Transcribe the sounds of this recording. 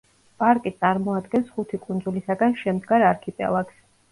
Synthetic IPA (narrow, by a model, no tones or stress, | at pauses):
pʼaɾkʼit̪sʼaɾmɔad̪ɡɛnsχut̪ʰikʼund̪zulisaɡanʃɛmd̪ɡaɾaɾkʰipʼɛ̰lˠaks